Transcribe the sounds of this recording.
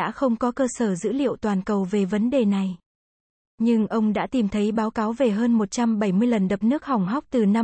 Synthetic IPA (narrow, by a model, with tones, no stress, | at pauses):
a̰ː˧˥xə˧wŋ͡mkɔ˨˦kəː˧səː˧˩zɨ̰˧˥lḭ˧˨əwt̪waː˨˩nkə˨˩wve˨˩və˨˦nɗe˨˩na˨˩j | ɲɨ˧ŋʔə˧wŋ͡mɗa̰ː˧˥t̪i˨˩mt̪ʰə˨˦jɓaː˨˦wkaː˨˦wve˨˩ɦəː˧nmo˨˩t̚t͡ɕa˧mɓə˧˩jmɨ˧əjlə˨˩nɗə˨˩p̚nɨ˦˥ək̚ha˨˩wŋ͡mɦa˦˥wk͡p̚t̪ɨ˨˩na˧